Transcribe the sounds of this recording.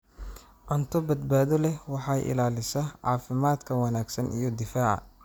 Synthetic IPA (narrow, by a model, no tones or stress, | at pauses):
ʔɐnt̪ʰɔbɐd̪baːðɔlɛwɑħɑjʔɪ̰laːlɪsɐʕɑ̰ːfɪmaːd̪kʰɐwɑnaːɡsɐnḭjɞd̪ɪfaːʕɑ̰